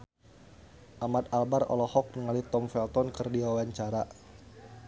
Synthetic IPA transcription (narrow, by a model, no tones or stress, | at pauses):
ʔamat̪albarɔ̰lɔhɔk̚nəŋalit̪ɔmfɛlt̪ɔnkɨrdiwawaɲt͡ʃaɾa